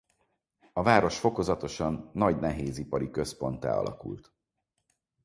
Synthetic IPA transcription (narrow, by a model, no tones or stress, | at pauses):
ɒvaːɾo̞ʃfo̞ko̞zɒt̪o̞ʃɒnːɒɟnɛɦeːzipɒɾikø̞spo̞nt̪ɛ̰ːɒ̰lɒ̰kṵlt̪